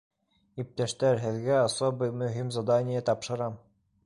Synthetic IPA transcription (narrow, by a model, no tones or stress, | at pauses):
ip̚t̪æʃt̪æɾɦɘ̆ðɡæasobɤjmɵ̆ɦimzad̪anʲɪjət̪ɑpʃɤ̆ɾɑm